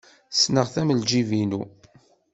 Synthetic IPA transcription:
snəʁθæməld͡ʒivinu

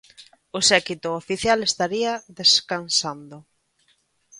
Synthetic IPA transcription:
ʊsɛkit̪ʊofiθjalest̪aɾiɐðeskansand̪ʊ

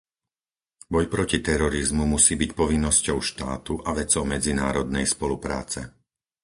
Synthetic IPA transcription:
bɔjpɾɔcit̪ɛɾɔɾizmumusiːbicpɔʋinːɔscɔʊʃt̪aːt̪uʔaʋɛt͡sɔʊmɛd͡zinaːɾɔd̪nɛjspɔlupɾa̰ːt͡sɛ

